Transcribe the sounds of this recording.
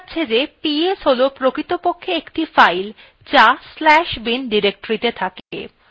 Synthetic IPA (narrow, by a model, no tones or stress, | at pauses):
tːɕʰed͡ʑepiesɦolopɾokɾit̪opokʰːeekʈifajl | t͡ɕaslɛʃbinɖiɾek̚ʈoɾit̪et̪ʰak